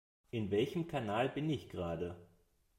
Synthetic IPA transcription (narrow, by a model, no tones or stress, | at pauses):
ʔɪnvɛlçəm̩kʰanaːlbɪnɪçɡ̥ʁaːdə